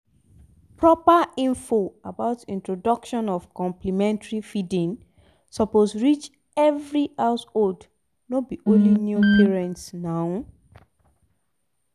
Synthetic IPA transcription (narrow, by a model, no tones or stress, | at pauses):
pɹɔpaĩɱfoabaʊtĩntɹodʌkʃɔ̃nɔv̥kɔ̃mplimɛ̃ntaɹifidĩŋ | sɔposɹit͡ʃ | ɛvɹihaʊsold | nobiʔõnlinjupiɹɛ̃ntsnaʊ